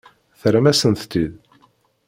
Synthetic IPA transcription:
θɾæmæsənt̪t̪ːið

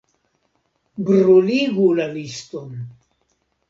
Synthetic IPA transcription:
bɾoliɡulaliston

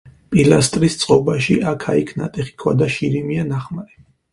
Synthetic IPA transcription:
pʼilast̪ʼɾist̪sʼqʼɔbaʃiʔakʰaikʰna̰t̪ʼɛχi̥kʰwa̰d̪aʃiɾimianaχmaɾɛ

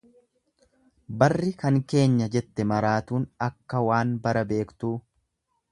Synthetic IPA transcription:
bɐrːɪkɐŋke̞ːɲːɐd͡ʒɛt̪ːɛmɐɾaːt̪uːnɐkːɐwaːnbɐɾɐbe̞ːkt̪uː

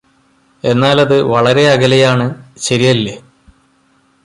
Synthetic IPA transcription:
e̞nːaːlɐðɨʋɐɭɐɾe̞ɐɡɐlɐjaːɳɨɕɐɾijɐlːe

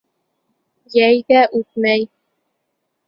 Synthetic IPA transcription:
jæjɡæʔʉt̪̚mæj

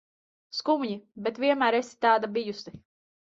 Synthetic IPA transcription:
skumɲibɛt̪vʲiɛmæːɾesi̥t̪aːd̪abijusi

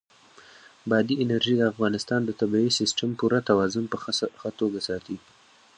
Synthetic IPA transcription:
bɑd̪iɪnaɾʒid̪əafɣɑnɪst̪ɑnd̪ət̪abiisɪsʈampuɾat̪awɑzʊmpəxat̪oɡasɑt̪i

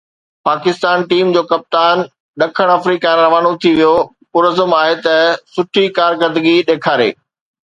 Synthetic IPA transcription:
paːkɪst̪aːnʈiːmd͡ʑoːkɐp̚t̪aːn | ɗɐkʰəɽ̃aːfɾiːkaɾɾɐʋaːnot̪ʰiʋijo | kʊɾəzəmaːɦet̪ɐsʊʈʰikaːɾkəd̪ɡiɗeːkʰaːɾḛː

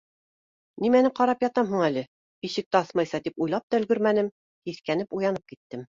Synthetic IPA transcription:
nimænɘqɑɾɑpjɑt̪ɑmɦuɴælɘ | iʃɘ̆k̚t̪æɑsmɑjsɑt̪ipujlˠɑp̚t̪ɑɵ̆lɡɵɾmænɘm | k̪iθkænɘpujɑnɤp̚kit̪ːɘm

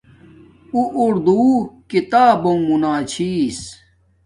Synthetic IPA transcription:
uʔuɾd̪uːkit̪aːbõmunaːt͡ɕʰiːs

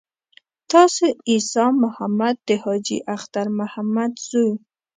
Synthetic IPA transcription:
t̪ɑseisɑmʊhamad̪̚ːəhɑd͡ʒḭʔaxt̪aɾmʊhamad̪z̥uj

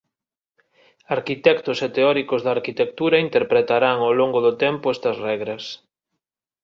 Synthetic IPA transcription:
aɾkit̪ɛkt̪ʊset̪eɔɾikʊzðɐːɾkit̪ek̚t̪uɾɐint̪eɾpɾet̪aɾaŋawloŋɡʊðʊt̪ɛmpʊɛst̪ɐsrɛɣɾɐs

